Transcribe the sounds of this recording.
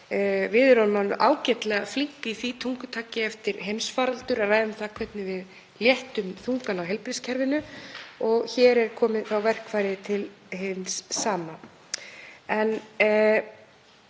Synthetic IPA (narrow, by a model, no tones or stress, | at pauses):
vɪðɾanmanːʏʔaːwcɛt̪lɛɣafliŋkiθit̪ʰuŋkʏ̥t̪ʰaːcɪɛft̪ɪɾɦejmsfaːɾalt̪ʏɾaraːjðʏmθakʰvɛt̪nɪvɪð | ljɛht̪ʏmθuŋkanawɦɛjlpɾɪscʰɛɾvɪnʏɔɣçɛːɾɛɾ̥kʰɔːmɪðθawvɛr̥kʰvaːjɾɪt̪ʰɪl | ɦɪnsːaːma | ɛn